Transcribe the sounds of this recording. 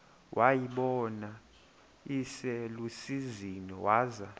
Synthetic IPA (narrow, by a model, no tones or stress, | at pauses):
wʔajiɓɔna | isɛlusizinɔwaːza